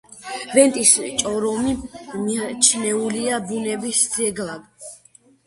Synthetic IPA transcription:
vɛnt̪ʼist͡ʃʼɔɾɔmimit͡ʃʰnɛuliabunɛbisd̪zɛɡlaɡ

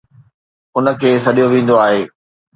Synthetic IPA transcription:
ʊnə̆kʰeːsɐɗijoʋẽːn̆d̪oaːɦeː

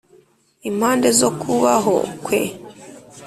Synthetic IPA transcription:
im̥haːndezokʰuβaɦo̰kwḛ

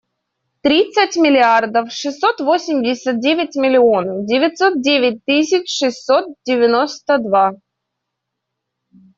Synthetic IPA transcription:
t̪ɾʲit̪sətʲmʲɪlʲɪard̪əfʂɨsːot̪vo̞sʲɪmʲdʲɪsʲət̪̚dʲevʲɪtʲmʲɪlʲɪo̞ndʲɪvʲɪt̪ʲso̞t̪̚dʲevʲɪt̚ʲt̪ɨsʲɪt͡ɕʂɨsːo̞t̪̚dʲɪvʲɪnost̪əd̪va

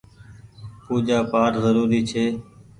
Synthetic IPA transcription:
puːd͡ʒaːpaːɾzəɾuːɾiːt͡ʃʰeː

